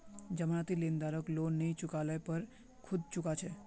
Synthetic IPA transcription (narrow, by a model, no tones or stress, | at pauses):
d͡ʒəmɳ̃at̪ilend̪aɾoklonːəit͡ʃʊkaləpəɾ | kʰʊd̪ʱt͡ʃʊkat͡ʃʰe